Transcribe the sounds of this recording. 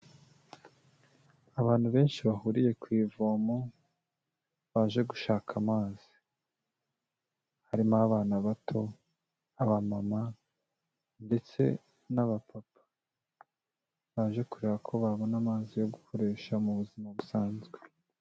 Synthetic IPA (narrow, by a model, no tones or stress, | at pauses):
aβaːnhuβe̞ːnʃiβahuːɾije̞kwiːvomo | βaːʒe̞ɡuʃaːkʰamaːzi̥ | haɾimaβaːnaβatʰo̞ | aβamama | nde̞t͡se̞̰ | naβapʰapʰḁ | βaːʒe̞kuɾeɾakʰo̞βaβo̞namaːzijo̞ɡukʰo̞ɾe̞ːʃamuβuzimaβusaːnzɡe